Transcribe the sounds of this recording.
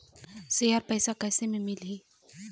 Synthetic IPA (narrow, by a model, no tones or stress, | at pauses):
sejaɾpɛːsakɛːsemẽmɪlɦiː